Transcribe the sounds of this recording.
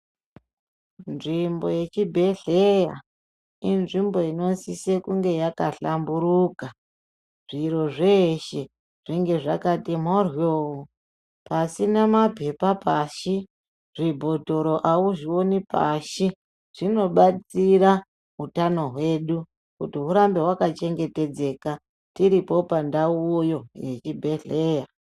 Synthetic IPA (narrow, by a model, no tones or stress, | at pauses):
nʐimbo̞je̞t͡ʃibʱe̞ɮeja̰ | inʐimbo̞ino̞nsisekuŋɡe̞jakaɬambuɾuka | ʐ̥iɾo̞ʐeʃe̞ | ʐ̥iŋɡe̞ʐakatimorjoo | pasinamape̞papaʃi | ʐibʱo̞to̞ɾo̞ʔawuʐionipa̰ʃi | ʐ̥ino̞ɓat͡siɾa | utano̞ɦwe̞ːɗu | kutiɦuɾambeɦwakat͡ʃe̞ŋɡe̞te̞d͡ze̞ka | tiɾipo̞pandauojo̞jḛt͡ʃibʱe̞ɮe̞ːja